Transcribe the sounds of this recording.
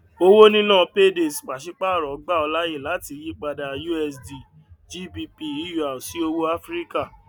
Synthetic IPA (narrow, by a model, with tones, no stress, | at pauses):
o˧wo˦nĩ˦nãː˦˨˧pe˦de˨sk͡pa˨ʃi˦k͡pa˦˨ɾɔ˨˦ɡ͡ba˦˨ɔ˧la˦je˦˨la˨˦ti˧ji˦k͡pa˧da˧ju˦ɛ˧sdi˨ | d͡ʒi˦bi˧pi˧i˨˦ju˨a˨o˨si˨˦o˧wo˦a˦fɾi˦ka˦˨